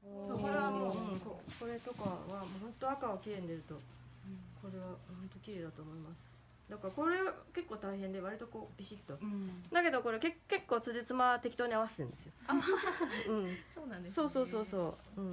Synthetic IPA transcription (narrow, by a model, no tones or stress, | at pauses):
soɾanoɯ̟̃ɴkoko̞ɾe̞t̪okaβamoːhõ̞nt̪o̞akaβakʲiɾẽ̞nd̪e̞ɾɯ̟t̪o̞ | ko̞ɾe̞βahont̪o̞kʲiɾe̞d̪at̪o̞ːmo̞imasɨ̥ | d̪akako̞ɾe̞βake̞kːo̞ːt̪aiɦẽ̞nd̪e̞β̞aɾʲit̪o̞ko̞ːb̥ʲiɕit̪ːo̞d̪ake̞d̪o̞ko̞ɾe̞ke̞ke̞kːo̞ːt͡sɨʑɨit͡sɨmat̪ekʲi̥t̪oːɲ̟iaβaseẽnd̪e̞sɨjo̞a | ɯ̟̃ɴsoːnãnd̪eso̞ːso̞ːso̞ːsoːɯ̟̃ɴ